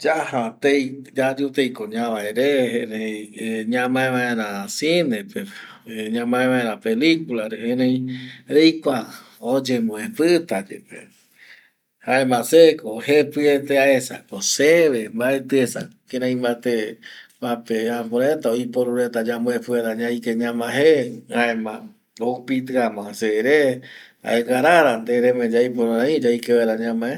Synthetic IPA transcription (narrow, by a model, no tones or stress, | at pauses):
d͡ʒahat̪ejd͡ʒad͡ʒut̪ejkoɲãβaeɾeeɾejɲãmãẽβaeɾasinepeɲãmãẽβãeɾãpelikulaɾeheɾẽj̃ɾejkʷa | od͡ʒemõepɨt̪ad͡ʒḛpḛ | haembasekohepɨet̪eaesa̰koseβembaet̪ɨesa̰keɾãj̃mbat̪epapeapõɾet̪aojpoɾuɾet̪ad͡ʒamõepɨaɾaɲãjkeɲãmãɦehaẽmã | oupit̪̬ɨamãseɾe | a̰eɡaɾaɾand̪eɾemẽd͡ʒajpoɾaɾaĩd͡ʒajkeβaɾaɲãmãe